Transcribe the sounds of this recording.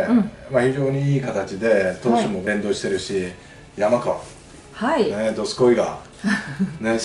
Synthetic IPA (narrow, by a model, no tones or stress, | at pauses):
maçiʑo̞ːɲ̟iiːkat̪at͡ɕid̪e̞t̪oːɕimo̞bẽ̞nd̪o̞ːɕi̥t̪e̞ɾɯ̟ɕi | jamakaa̰ | hained̪o̞sɨ̥ko̞iɡa̰ | ne